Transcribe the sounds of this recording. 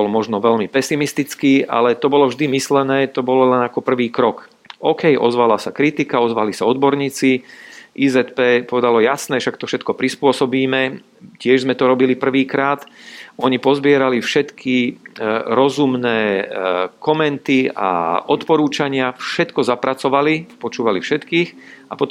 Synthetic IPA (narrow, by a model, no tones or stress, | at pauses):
bɔlmɔʒnɔʋɛʎmipɛsimist̪it͡skiːʔa̰lɛt̪ɔbɔlɔvʒd̪imislɛnɛːt̪ɔbɔlɔlɛnakɔpr̩ʋiːkɾɔk | ʔɔːkɛjʔɔ̰zʋalasakɾit̪ikaɔzʋalisaɔd̪bɔɾɲiːt͡siʔiːzɛt̪pɛːpɔʋɛd̪alɔjasnɛʃakt̪ɔfʃɛt̪kɔpɾispʊɔsɔbiːmɛ | cɪɛʒzmɛt̪ɔɾɔbilipr̩ʋiːkɾaːt̪ɔɲipɔzbɪɛɾalifʃɛt̪kʰi | ɾɔzumnɛː | kɔmɛnt̪ia̰ɔt̪pɔɾuːt͡ʃaɲɪafʃɛt̪kɔzapɾʔat͡sɔʋalipɔt͡ʃuːʋalifʃɛt̪kiːx | apɔt̪